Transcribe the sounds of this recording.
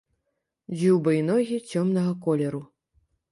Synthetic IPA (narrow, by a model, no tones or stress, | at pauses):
d͡zʲiwbɐinɔɣʲit͡sʲɔmnɐɣɐkɔlʲɛɾu